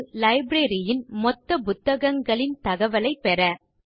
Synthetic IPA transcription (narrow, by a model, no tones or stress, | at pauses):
lɐɪbɾeɾɪjɪnmɔt̪ːɐpʊt̪ːɐɣɐŋɡɐɭɪnt̪ɐɣɐʋɐlɐɪpːɛɾɐ